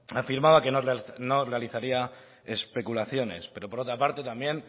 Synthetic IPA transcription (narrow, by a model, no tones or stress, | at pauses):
afiɾmaβake̞norno̞re̞aliθaɾia | e̞spe̞kulaθjo̞ne̞̰spe̞ɾo̞po̞ɾo̞t̪ɾapaɾt̪e̞t̪ambje̞n